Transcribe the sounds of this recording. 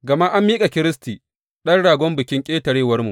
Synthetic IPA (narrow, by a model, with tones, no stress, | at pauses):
ɡɐ˨ma˦ʔa˦mːiː˦kʼa˨kʲɪ˦ɾɪ˦stiː˨ | ɗɐ˦nɽaː˨ɡʷɔ˦mbɪ˨kʲɪ˦ŋkʲʼeː˦tɐ˨ɽeː˦wɐ˦rmu˨ʔ